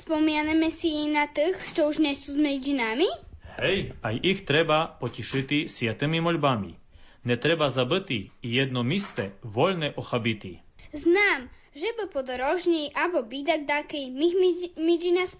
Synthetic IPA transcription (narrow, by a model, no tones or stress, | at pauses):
spɔmianamɛsinat̪əxʃt͡ʃɔuʒɲɛsuːzmɛzinamihhɛjajixt̪ɾɛbapɔciʃɪt̪isjat̪ɨmimɔlbamḭ | nɛt̪ɾɛbazabɨt̪iːjɛd̪̚nɔmist͡sɛʋɔlnɛʔɔxabit̪i | znaːm | ʒɛbɨpɔd̪ɔɾɔʒɲijʔabɔbid̪aɡ̚d̪akɛjmixmid͡zinas